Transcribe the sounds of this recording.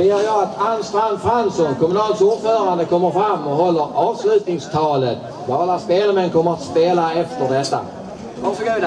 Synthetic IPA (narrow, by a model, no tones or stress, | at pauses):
eːəɾjɑːɡat̪ʰanst̪ɾanfɾansɔnkʰɔmɵnɑːlsuːɖfœːɾand̪əkʰɔmːəɾfɾamːɔɦɔlːəɾɑːvslʉ̟ːt̪nɪŋst̪ʰɑːlət̪ | bɑːlaspeːləɾmɛnkʰɔmːəɾat̪speːlaɛft̪əɖɛt̪ːa̰ | aʂɔɡuː